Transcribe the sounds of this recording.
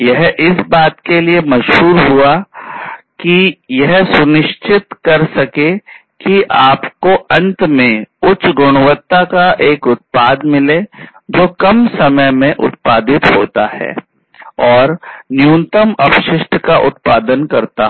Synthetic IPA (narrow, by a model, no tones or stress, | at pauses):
jɛɦʔɪsbaːt̪keliemɐʃɦuːɾɦua | kijɛɦsʊnɪʃt͡ʃɪt̪kɐɾsɐke | kiʔaːpkoʔɐ̃nt̪mẽʊt͡ʃɡʊɽ̃ʊwət̪ːakaʔeːkʊt̪̚paːd̪mɪle | d͡ʒoːkɐmsɐməjmẽʔʊ̰t̪̚paːd̪ɪt̪ɦoːt̪aɦɛ̰ː | ɔːɾnɪjuːnt̪əmɐpʃɪʃʈʰkaʔʊ̰t̪̚paːd̪ənkɐɾt̪a